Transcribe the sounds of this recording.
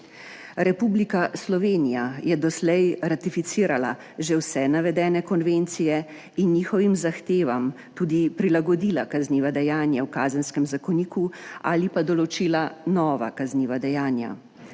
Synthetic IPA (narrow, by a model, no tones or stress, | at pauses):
ɾɛpublikaslɔʋeːnijajɛd̪ɔslɛjɾat̪ifit̪siːɾala̰ | ʒɛwsɛnaʋɛd̪ɛːnɛkɔnʋent̪sijɛ | inːiːxɔʋimzaxt̪eːʋam | t̪uːd̪ipɾilaɡɔd̪ilakazniːʋad̪ɛjaːnjawkaːzənskɛmzakɔniːkua̰lipad̪ɔlɔt͡ʃiːlanɔːʋa̰kazniːʋad̪ɛjaːnja̰